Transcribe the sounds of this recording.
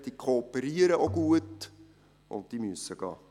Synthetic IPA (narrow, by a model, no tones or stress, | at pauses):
d̥ikʰoːpəɾiəɾəʔoɡuət | ʔʊ̰ntdimyəsəɡ̥ɑ̰ː